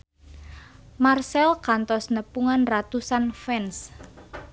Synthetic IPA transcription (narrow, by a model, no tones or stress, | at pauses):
marsɛlkant̪ɔsnəpuŋanrat̪usanfɛns